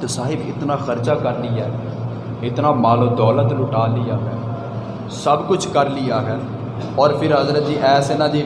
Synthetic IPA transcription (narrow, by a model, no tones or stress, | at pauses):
t̪saːɦɪbɪ̰t̪nãːxəɾd͡ʒaːkəɾliːɛː | ɪt̪nãːmaːlõːd̪ɔːlət̪lʊʈaːliːaːɦɛ̃ː | səbkʊt͡ʃʰkəɾliːaːkɛn | ɔːɾpʰɪɾɦəzɾət̪̚d͡ʒiːʔɛːsɪnãːd̪iː